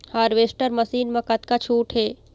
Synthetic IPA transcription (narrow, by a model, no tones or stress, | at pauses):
haːɾʋeːsʈəɾmɐsiːnmãkɐt̪kat͡ʃʰuːʈɦeː